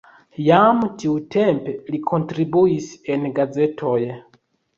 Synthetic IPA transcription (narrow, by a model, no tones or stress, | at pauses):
jamtʰiwutʰɛmpɛlikʰontɾibuisɛnɡad͡zɛtʰoje